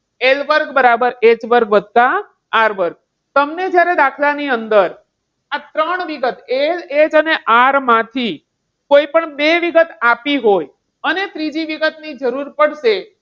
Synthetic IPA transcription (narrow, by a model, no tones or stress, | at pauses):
elʋəɾɡbəɾabəɾet͡ʃʋəɾɡʋəd̪̚t̪a | aɾʋəɾɡ̚ | t̪əmned͡ʒjaɾed̪akʰlaniənd̪əɾ | at̪ɾəɳʋiɡət̪eled͡ʒəneʔaɾmãt̪ʰi | koipəɳbeʋiɡət̪apiɦoj | ənet̪ɾid͡ʒiʋiɡət̪nid͡ʒəɾuɾpəɽʃe